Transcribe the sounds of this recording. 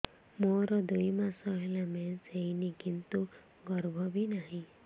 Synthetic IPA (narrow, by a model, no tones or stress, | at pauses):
moɾɔd̪ujmasɔɦelamɛnseinikint̪u | ɡɔɾbʱɔbʱinaɦĩ